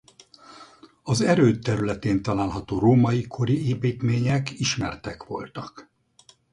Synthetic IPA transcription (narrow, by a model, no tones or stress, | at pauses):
ɒzɛɾøːt̪ːɛɾylɛt̪eːnt̪ɒlaːlɦɒt̪oːroːmɒikʰo̞ɾieːpiːt̪meːɲɛkiʃmɛ̰rt̪ɛkʋo̞̰lt̪ɒk